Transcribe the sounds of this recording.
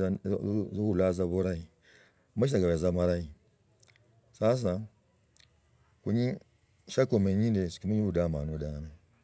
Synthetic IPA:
zoulazaβoɾai | maiaɡaβezamaɾai | sas̬a | kuɲi | ʃakomeɲindesi̥kimuɲiβuɗamanuɗame

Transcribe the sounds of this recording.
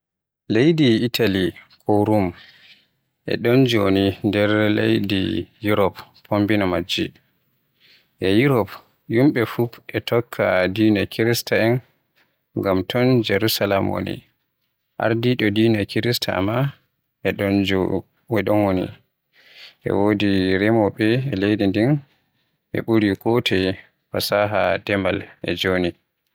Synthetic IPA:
lejdiːtʰalikʰoɾum | ʔɛ̰ɗɔnd͡ʒonindɛɾlḛjdḭjuɾɔpʰː | ombinamad͡ʒi | ʔɛjuɾɔp | jumɓɛfuʔɛtʰɔkʰːadinakʰiɾistaɛn | ŋɡamtʰɔnd͡ʒɛɾusalamwo̰nḭ | ʔa̰ɾdiɗɔdiːnakiɾistʰaa̰ma | ʔɛɗɔnd͡ʒo | wɛɗɔnwonḭ | ʔɛ̰wodiɾɛmɔɓɛɛlejdindin | ʔɛ̰ɓuɾikɔtʰɛ | fasaɦadɛmalʔɛ̰d͡ʒoni

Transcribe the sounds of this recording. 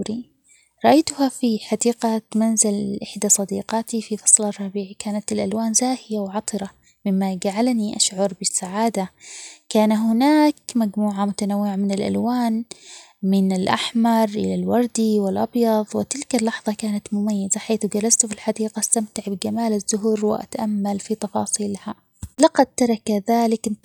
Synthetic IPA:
ɾi | ɾˤɑʔajt̪ʊhafiħad̪iːqat̪manzalʔɪħd̪asˤɑd̪iːqɑːt̪ififɑ̥sˤlɑrˤːɑbiːʕikaːnat̪ɪlʔalwaːnzaːhɪjawʕɑt̪ˤɨɾɑ | mɪmːad͡ʒaʕalniʔaʃʕɑɾˤbɪsːaʕaːd̪akaːnaɦʊnaːkmaɡmuːʕamʊt̪anawːɪʕamɪnɪlʔa̰lwaːn | mɪnɪlʔa̰ħmɑɾˤʔɪ̰lalwɑɾˤd̪iwɪlʔɑbjɑðˤwɪt̪ɪlkalːɑħðˤɑkaːnat̪mʊmajːɪzaħaːθʊɡalast̪filħɑd̪iːqast̪amt̪ɪʕbɪɡamaːlazːʊɦuːɾwɪ̰ʔa̰t̪aʔamːalfit̪ɑfɑːsˤiːlha | lɑqɑd̪̚t̪ɑɾˤɑkaðaːlɪk

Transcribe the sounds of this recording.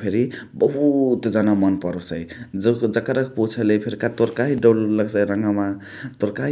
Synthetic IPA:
pʰeɾibʌɦut̪d͡zanamʌnpʌɾosəjd͡zd͡zʌkəɾək̚put͡ʃʰəlepʰeɾikat̪oɾkaɦiɖollʌɡsajɾʌŋɡama | t̪oɾka

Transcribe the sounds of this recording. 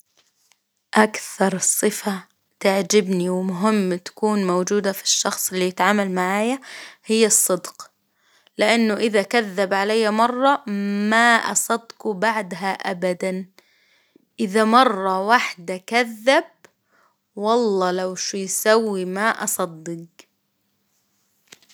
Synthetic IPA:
ʔakθɑɾˤsˤːɨfa | t̪aʕd͡ʒɪbniwɪmʊɦɪmːt̪ḁkuːnmowd͡ʒuːd̪afi̥ʃːɑxsˤɪlːijɪt̪ʕaːmalmaʕaːjahɪjːsˤːɨd̪q | lɪʔanːʊʔɪðakaðːabʕalajːamɑrˤːɑmaʔɑ̰sˤɑd̪ːqubaʕd̪ɦaʔa̰bad̪an | ʔɪðamɑrˤːɑwaħd̪akaðːab̚ | wɑlˤːɑːlawʃujsawːimaʔɑsˤɑd̪ːɪɡ

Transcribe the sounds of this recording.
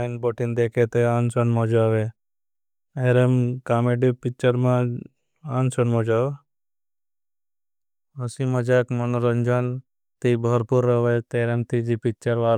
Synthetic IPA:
ɪnboːʈind̪eːkʰet̪eaːnsənmɔd͡ʒaːʋe | eɾemkaːmeɖipɪkt͡ʃəɾmã | aːnsənmɔd͡ʒaːʋ | ɐsimɐd͡ʒaːkmɐnoɾənd͡ʒan | t̪ibʱəɾpuɾːəʋet̪eːɾemt̪id͡ʒipɪk̚t͡ʃəɾʋaːɾ

